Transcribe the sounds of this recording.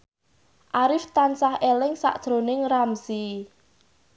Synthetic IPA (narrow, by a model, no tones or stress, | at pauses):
ʔaɾɪft̪ansahelɪŋsa̰ʔd̥ʒ̥ɾonɪŋramsi